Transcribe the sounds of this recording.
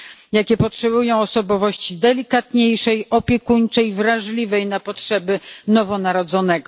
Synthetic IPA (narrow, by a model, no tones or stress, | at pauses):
jakʲɛpɔtʂɛbujɔ̃w̃ɔsɔbɔvɔɕt͡ɕid̪ɛlʲikat̪ɲejʂɛjɔpʲjɛkuɲt͡ʂɛjvɾaʐlʲivɛjnapɔtʂɛbɘnɔvɔnaɾɔd̪zɔnɛɡɔ